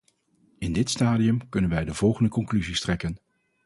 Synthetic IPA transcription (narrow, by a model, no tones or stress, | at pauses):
ɪndɪtstaːdijəmkɵnənʋɛjdəv̥ɔlˠχəndəkɔŋklyzistrɛkən